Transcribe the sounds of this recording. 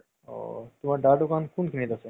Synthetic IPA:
o̰t̪umaɾɖaɖokankunkʰinit̪ase

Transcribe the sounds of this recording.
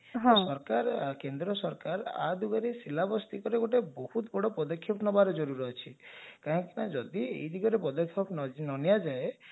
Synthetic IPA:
ɦɔ̃sɔɾkaɾkend̪ɾɔsɔɾkaɾa̰d̪uɡaɾesilabɔst̪ikɔɾeɡoʈebɔhut̪bʱɔɽɔpɔd̪ɔkʰːjɔpnɔbaɾɔd͡ʒɔɾuɾɔɦet͡ʃʰikaɦɔ̃ŋkinad͡ʒɔd̪iḛjd̪iɡɔɾepɔd̪ɔkʰjɔpnnɔnijad͡ʒae

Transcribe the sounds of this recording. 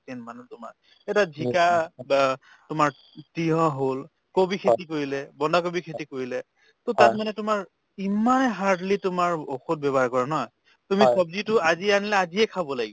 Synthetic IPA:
tɛnmanutʊma̰ɹ | ɛtadʱikab | tʊmaɹ | tijɔ̃ɦol | kobikʰetikoɹilɛbɔndak̬obikʰetikoɹilɛ | totat̚manɛtʊmaɹ | imanɛɦaɹdlitʊmaɹoxut̚bɛbɔɦaɹkɔɹanɔj | tumisɔbzitʊaziɛanilaaziɛkʰabɔlaɡibɔ

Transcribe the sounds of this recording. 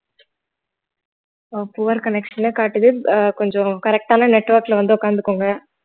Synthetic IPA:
opʊːʋɐɾkɐnɛkʂɐnekaːʈːɯðɯkɔɲd͡ʒɔ̃kɐɾɛk̚ʈaːnɐnɛʈːʋɐɾklɐʋɐnd̪ɯʊkːaːnd̪ɯkːoːŋɡɐ

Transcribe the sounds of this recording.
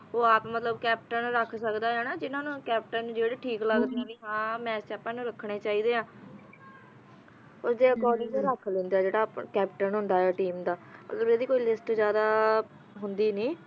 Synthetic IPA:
oːaːpmət̪ləbkɛːp̚ʈənɾəkʰsəkd̪aːɦɛːnaːd͡ʒɪnãːnũːkɛːp̚ʈənũːd͡ʒeːɽeːʈʰiːkləɡd̪eãːʋiːɦãːmɛːst͡ʃaːpːãːnũːɾəkʰːɳeːt͡ʃaːiːd̪eːãː | oːɾd͡ʒ̪eːəkɔːɾɖɪɡd̪ẽːɾakʰlẽːnd̪aːd͡ʒeːɽaːpkɛːpʈənɦʊ̃nd̪aːɦɛːʈiːmd̪aːmʔə̰t̪ləbeːd̪iːkoːiːlɪsʈzjaːd̪aː | ɦʊnd̪iːniː

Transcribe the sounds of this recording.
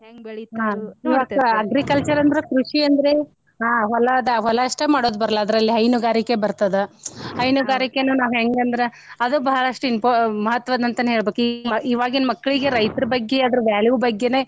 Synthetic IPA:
eŋbeiaːiʋaːkɐɐɡɾikɐlt͡ʃɐɾɐnd̪ɐɾekɾuʂiɐnd̪ɐɾe | ɦaːɦɔlɐd̪ɐɦɔlɐɐʂʈemaːɽoːd̪bɐɾɐlɐːd̪ɐɾɐlːiɦɐjnuɡaːɾikebɐɾt̪ɐd̪ehɐjnuɡaːɾikːenuːnaːʋɦeŋɡɐnd̪ɾe | ɐd̪ubɐɦɐɽɐʂʈuinpomɐɦɐt̪ːʋaːd̪ɐnt̪ɐnɦe̞ːɭbeːkimɐiːʋaːɡinmɐkːɐɭiɡe̞ɾɐjt̪ɐɾɐbɐɡːeɐd̪ɐɾuʋjaːljubɐɡːe̞neː

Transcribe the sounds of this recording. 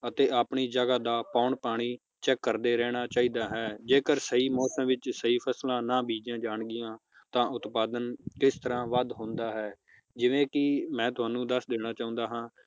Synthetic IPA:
ət̪eːaːpɳiːd͡ʒəɡaːd̪aːpaːɳpaːɽ̃iː | t͡ʃɛːkːəɾd̪eːɾɛːɽ̃aːt͡ʃaːiːd̪aːɦɛːd͡ʒeːkəɾsəiːmɔːsə̃mʋɪt͡ʃsəiːpʰəslãːnaːbiːd͡ʒãːd͡ʒaːɳɡɪjãː | t̪ãːʔʊt̪paːd̪ənkɪst̪əɾãːʋəd̪ɦõːnd̪aːɦɛː | d͡ʒɪʋẽːkɪmɛ̃ːt̪ʊaːnũːd̪əsd̪eːɽ̃aːt͡ʃaːʊ̃nd̪aːɦãː

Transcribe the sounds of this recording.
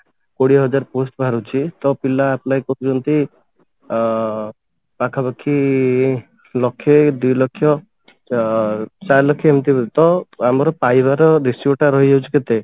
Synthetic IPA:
koɽiɦɔd͡ʒaɾposʈbʱaɾut͡ʃʰit̪ɔpilaːplajkɔɾud͡ʒɔnt̪i | pakʰabakʰːi | lɔkʰːed̪ujlɔkʰːjɔ | t͡ʃaɾlɔkʰːiemt̪it̪ɔamɔɾɔpajbaɾɔd̪isjuʈaɾɔɦid͡ʒʱawt͡ʃʰi̥ket̪e

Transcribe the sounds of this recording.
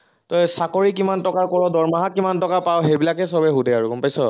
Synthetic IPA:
tɔjsakɔɹikimantɔkakɔɹɔdɔɹmaɦakːimantɔkapawɦejbilakɛsɔbɛɦudʱɛaɹukɔmpajsɔ

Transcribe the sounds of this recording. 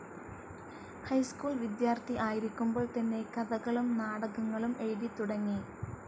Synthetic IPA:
hɐjskuːlʋid̪jaːrt̪ʰiʔaːjiɾikʲːumbo̞ːɭt̪ɐnːe̞kɐðɐɣɐɭumnaːɽɐɣɐŋːɐɭumeːðit̪uɽɐŋːi

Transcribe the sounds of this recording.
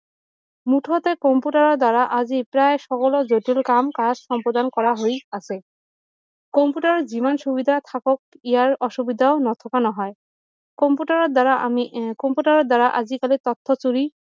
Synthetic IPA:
muʈʰɔt̪ekɔmpuʈaɹɔd̪aɹaʔazipɹajʃɔkɔlɔzoʈilkamkasʃɔmpɹɔd̪ankɔɹaɦojase | kɔmpuʈaɹɔzimanʃubid̪ʱat̪ʰakɔk̚ijaɹɔʃubid̪ʱaonɔt̪ʰɔkanɔɦɔj | kɔmpuʈaɹɔd̪aɹaʔmikɔmpuʈaɹɔd̪aɹaʔazikalit̪ɔt̪ʰːɔt͡ɕuɹi

